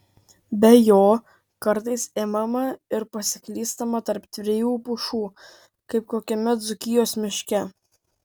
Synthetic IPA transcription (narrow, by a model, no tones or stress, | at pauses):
bʲɛjoː | kɐɾt̪ɐɪseːmɐmɐɪɾpɐsʲɪklʲiːst̪ɐmɐt̪ɐɾpt̪ʲʋʲɾʲɪjuːpʊʃuː | kɐɪpkoːkʲɛmʲɛt̪zʊkʲɪjoːsmʲɪʃʲkʲɛ